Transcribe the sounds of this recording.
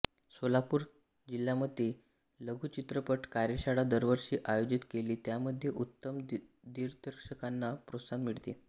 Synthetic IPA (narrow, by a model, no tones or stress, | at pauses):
solapuːɾ | d͡ʑiljaməd̪ʱje | ləɡʱuːt͡ɕit̪ɾəpəʈkaɾjəɕaɽad̪əɾʋəɾɕiːʔajod͡ʑit̪keliːt̪jaməd̪ʱːjeʔut̪ːəm | d̪iɾd̪əɾkʂəkanːapɾosanmiɽt̪i